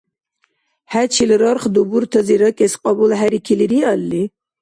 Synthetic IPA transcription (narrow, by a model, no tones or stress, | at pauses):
hæt͡ʃʰilɾɔɾχd̪ubuɾt̪ʰəziɾəkʼɛsqʼɑbulɦæɾikʰiliɾialːi